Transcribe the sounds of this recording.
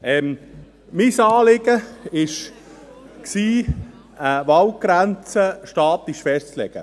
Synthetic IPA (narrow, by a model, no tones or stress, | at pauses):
ɛm | misɑːlɪɡəɪʃ | ksiː | əvɑwɡ̥ɾænt͡səʃtɑːt̪lɪʃfɛʃtt͡slɛ̰ɡ̥ə̰